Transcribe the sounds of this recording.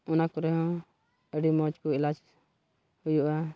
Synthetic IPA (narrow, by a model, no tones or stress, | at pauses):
unakɔɾɛɦɔ̃ | ɛɖimɔd͡ʒkuilad͡ʒ | hujuʔa